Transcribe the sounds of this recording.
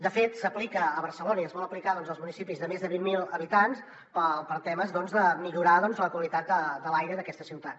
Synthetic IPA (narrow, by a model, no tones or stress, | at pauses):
d̪əfet̪səplikəːβəɾsəlonəiəzβɔləplikaðɔnzəlˠzmunisipizðəmezðəβimːilˠəβit̪ans | pəpəɾt̪ɛməzðɔnzðəmiʎuɾaðɔnzələkwəlit̪ad̪̚d̪əd̪əlajɾəðəkɛst̪əsiwt̪at̪̚